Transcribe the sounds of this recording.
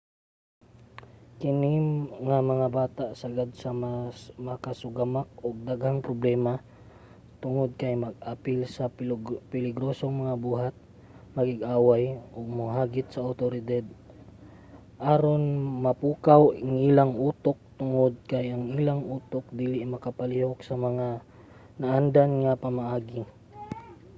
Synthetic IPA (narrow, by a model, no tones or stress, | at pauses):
kɪnɪŋamɐŋabaːt̪aʔsɐɡad̪sɐmamɐkasʊɡamak̚oɡ̚d̪aɡhaŋpɾoblɛːma | t̪ʊŋod̪̚kajmɐɡ̚ʔaːpɪlsɐpɪlɪɡɾoːsoŋmɐŋabuːɦat̪̚ | mɐɡɪɡʔaːwajʔoɡ̚mʊɦaːɡɪt̪̚sɐːwt̪oɾɪd̪ad̪̚ | ʔaːɾonmɐpuːkawaŋʔilaŋʔuːt̪ok̚t̪ʊŋod̪̚kajʔɐŋilaŋʔuːt̪ok̚d̪iːlɪʔmɐkapɐlihoksɐmɐŋa | nɐʔand̪anŋapamaʔaːɡɪ